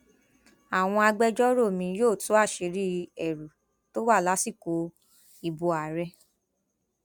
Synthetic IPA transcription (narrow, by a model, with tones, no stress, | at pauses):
a˨w̃ɔ̃˧a˧ɡ͡bɛ˦˧d͡ʒɔ˦ɾo˦˨mĩ˧joː˦˨tu˨˦a˦˨ʃe˨˧˦ɾi˦ɛ˨ɾu˨ | to˦wa˦˨la˨˦si˦˨ko˨˦ | i˨bo˨˧a˨ɾɛ˧